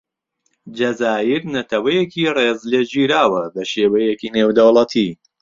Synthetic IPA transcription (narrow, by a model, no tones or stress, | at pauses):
d͡ʒɐzaːjɪɾnɐt̪ʰɐwɐjekʰiːreːzled͡ʒiːɾaːwɐbɐʃeːwɐjekiːneːwd̪ɐwlˠɐt̪ʰi